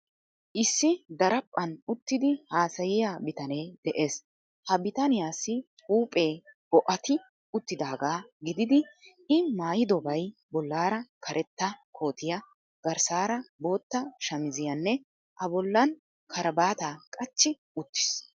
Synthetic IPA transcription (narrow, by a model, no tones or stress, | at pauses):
ʔɪsːɪd̪ɐɾɐpʼːɐnʊt̪ːɪd̪ɪhaːsɐjɪjabɪt̪ɐne̞ːd̪̥ɛʔe̞ːs | hɐbɪt̪ɐnɪjaːsɪ | uːpʼe̞ːbɔʔɐt̪ɪ | ʊt̪ːɪd̪aːɡaːɡɪd̪ɪd̪ɪ | ɪmaːjɪd̪ɔbɐjbɔlːaːɾɐkʰɐɾʔɛt̪ːɐkʰo̞ːt̪ɪjɐ | ɡ̥ɐɾsaːɾɐbo̞ːt̪ːɐʃɐmɪzɪjɐnːɛ | ʔɐbɔlːɐn | kʰɐɾɐbaːt̪aːkʼɐt͡ʃːɪ | ʊt̪ːɪ̥s